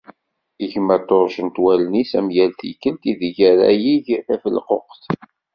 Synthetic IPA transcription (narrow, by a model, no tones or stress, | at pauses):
iʝmæt̪ːoɾˤʃənt̪wælnisæmjælθikːəlt̪iðʝæɾæ̰jiʝθæfəlqo̰qθ